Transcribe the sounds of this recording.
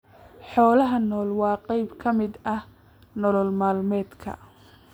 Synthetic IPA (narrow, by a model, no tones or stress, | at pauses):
ħɔːlɐɦɐnɔːlwɑːqɛjbkʰɐmɪd̪ɐh | nɔlɔlmaːlmɛːd̪kʰɐ̰